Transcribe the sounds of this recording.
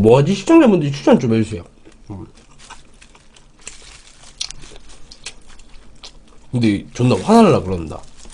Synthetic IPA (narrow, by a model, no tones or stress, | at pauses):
moɦad͡ʑiɕʰi̥t͡ɕ͈aŋd͡ʑabundɾit͡ɕʰu̥t͡ɕʰant͡ɕ͈omeusʰejo | kɯndet͡ɕonːaɸwadaaɭːakɯɾʌnnda̰